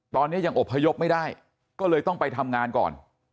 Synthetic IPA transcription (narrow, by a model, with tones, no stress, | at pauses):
t̪ɔː˧nːi˦˥ɐja˧ŋʔo˨˩pʰːa˧jo˦˥p̚ma˥˩jdaː˥˩j | kɔː˥˩lɤː˧jt̪ɔ˥˩ŋpa˧jt̪ʰa˧mŋaː˧nkɔ̰ː˨˩n